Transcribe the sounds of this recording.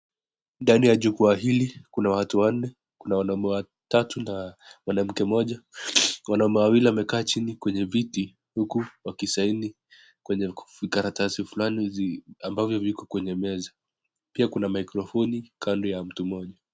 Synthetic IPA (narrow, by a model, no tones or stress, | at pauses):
ndanijaʄukuaɦilikunawatuwan̩ːɛ | kunawanaumɛwa | tatunamwanam̩kɛmɔʄawanaumɛwawiliwamɛkaːt͡ʃinikwɛɲɛviti | hukuwakisaini | kwɛɲɛvikaɾatasifulaniambavjɔvikɔkwɛɲɛmɛza | piakunamaikɾɔfɔnikʰandɔjam̩tumɔʄa